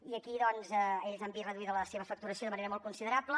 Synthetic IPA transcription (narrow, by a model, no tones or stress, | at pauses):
iəkiðɔnzəeʎzambirəðuiðələseβəfək̚t̪uɾəsioðəməneɾəmɔlˠkunsiðəɾaplə